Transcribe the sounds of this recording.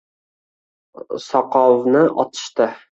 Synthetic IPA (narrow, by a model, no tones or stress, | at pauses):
sɒqɒwnɪʔɒt̪ʰɨ̥ʃt̪ɪ